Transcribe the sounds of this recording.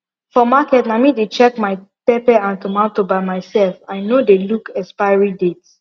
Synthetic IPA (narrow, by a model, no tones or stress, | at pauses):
fɔmakɛtnamidet͡ʃɛkmaɪpepɛãntomãtobaɪmaɪsɛlfaɪnodelukɛspaɪɹidets